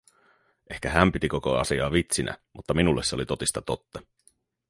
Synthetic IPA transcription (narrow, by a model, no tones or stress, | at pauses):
ʔe̞hkæɦæmpit̪iko̞ko̞ɑ̰siɑːʋit̪sinʔæ̰mut̪ːɑminulːesːeolit̪o̞t̪ist̪ɑt̪o̞t̪ːɑ